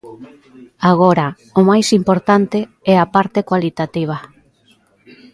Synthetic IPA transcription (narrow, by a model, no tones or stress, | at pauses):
aɣoɾa | omajsimpoɾt̪ant̪e | ɛapaɾt̪ekwalit̪at̪iβ̞a